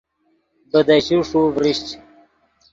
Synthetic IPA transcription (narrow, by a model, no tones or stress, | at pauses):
bəd̪aɕuʂuvɾiɕt͡ɕ